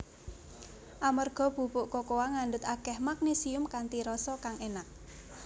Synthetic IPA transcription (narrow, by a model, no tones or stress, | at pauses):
ʔamərɡ̥ɔ̤b̥ṳpʊʔkokowaŋandʊt̪akɛhmak̚nisiʊmkant̪iɾɔsɔkaŋenak̚